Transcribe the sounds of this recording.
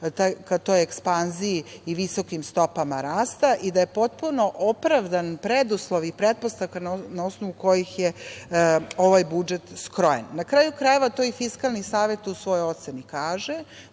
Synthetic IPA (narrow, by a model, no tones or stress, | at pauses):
t̪akat̪o̞jekspanziiːʋiso̞kimst̪o̞pamaɾaːst̪aʔid̪ajepo̞t̪̚puno̞ʔopɾaʋd̪anpɾed̪uslˠoʋipɾet̪̚po̞st̪afkannao̞snoʋuko̞jixje | o̞ʋajbud͡ʒet̪skɾo̞jenːakɾaːjukɾajeʋat̪o̞ifiskalˠnisaːʋe̞t̪usʋo̞joo̞t̪senikaːʒe